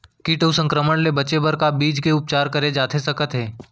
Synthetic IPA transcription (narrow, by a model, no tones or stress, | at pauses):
kiʈəusə̃ŋkɾəməɽ̃lebɐt͡ʃebəɾkabiːd͡ʒkeʊp̚t͡ʃaːɾkɐɾed͡ʒaːt̪ʰesɐkət̪ɦeː